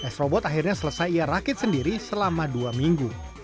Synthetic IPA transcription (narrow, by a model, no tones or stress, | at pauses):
ʔɛsɾɔbɔt̪axirɲasələsajiaɾakɪt̪̚səndiɾisəlamaduamiŋɡu